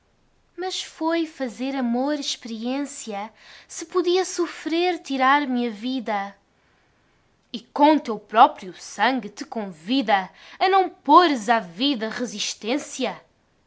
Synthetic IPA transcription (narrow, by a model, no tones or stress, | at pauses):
mɐʃfojfɐzeɾɐmoɾiʃpɨɾiẽsjɐsɨpuðiɐsufɾeɾt̪iɾaɾmɐviðɐ | ikõt̪ewpɾɔpɾiusɐ̃ŋɡɨt̪ɨkõviðɐɐnɐ̃w̃poɾzaviðɐʁɨziʃt̪ẽsjɐ